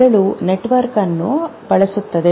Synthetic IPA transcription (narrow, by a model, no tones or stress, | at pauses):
ɐɭuneʈʋɐɾkɐnːupɐɭɐsut̪ːɐd̪e